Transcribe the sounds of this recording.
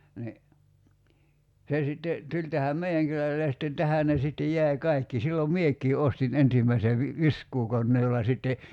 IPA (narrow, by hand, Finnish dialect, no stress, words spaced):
ni se sitːe tulʲ tæhæm meiæŋ kylælːe jɑ sitːen tæhæˑ ne sitːej jæi̞ kɑikːi silːom miekˑiː ostin ensimːæise ʋi ʋiskˑuːkonːeː jolːɑ sitːe